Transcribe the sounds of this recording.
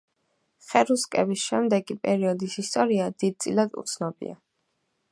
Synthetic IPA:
χɛɾuskʼɛbisʃɛmd̪ɛɡipʼɛɾiɔd̪isist̪ʼɔɾiad̪id̪̚d̪sʼilad̪ṵt̪sʰnɔbḭa̰

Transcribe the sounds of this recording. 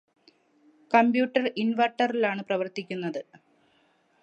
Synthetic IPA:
kɐmbjuːʈːɐrinʋɐʈːɐrilaːɳɨprɐʋɐrt̪ikʲːunːɐðɨ

